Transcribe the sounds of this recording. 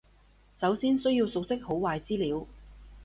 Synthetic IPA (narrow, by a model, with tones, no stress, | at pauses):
sɐ˨˥wsiː˥nsɵ˥ɥjiː˧wsʊ˨k̚sɪ˥k̚ho˨˥wwaː˧jt͡siː˥liː˨˥w